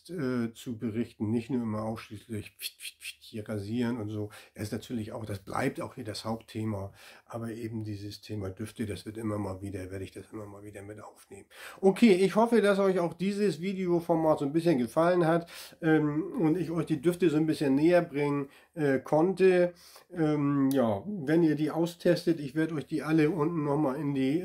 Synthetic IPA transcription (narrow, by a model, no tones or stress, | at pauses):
tʔɛːt͡subəʁɪçtn̩nɪçtnuːɐɪmɐʔaʊsʃliːslɪç̥ | hiːɐʁaziːʁənʊntz̥o̥ːɛsɪstnatʰyːɐlɪça̰ʊxd̥asb̥lʔa̰ɪp̚taʊxhiːɐdashaʊptʰeːmaʔaːbɐʔeːbm̩diːzəstʰeːmadʏftədasv̥ɪɐtʔɪmɐmaːlviːdɐveːɐɾəɪçd̥asʔɪmɐmaːlviːdɐmɪtʔa̰ʊfneːmənʔokʰeːɪçhɔfədasɔʏçaʊxd̥iːzəsviːdeofɔɐmaːtz̥oːnbɪsçənɡəfalənhatʔɛːmʊntɪçɔʏçd̥iːdʏftəzoːnbɪsçənːeːɐbʁɪŋən | ʔɛkʰɔntə | ʔɛːmjaːvɛniːɐdiːʔaʊstʰɛstətɪçv̥eːɐdəɔʏçd̥iːʔaləʊntn̩nɔχmaːlɪndiː